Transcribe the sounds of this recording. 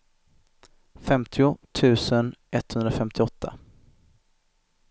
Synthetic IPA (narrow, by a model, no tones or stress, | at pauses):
fɛmt̪ʰɪʊt̪ʰʉ̟ːsənʔɛt̪hɵnd̪ɾafɛmt̪ɪɔt̪ʰːa̰